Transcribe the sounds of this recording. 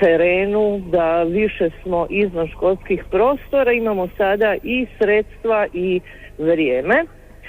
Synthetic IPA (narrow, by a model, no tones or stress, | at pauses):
t̪eɾeːnud̪aʋiʃe̞smo̞ʔizʋanʃko̞lskixpɾo̞ːst̪o̞ɾaimamo̞sad̪aʔisɾet̪st̪ʋaʔi | ʋɾjeːme̞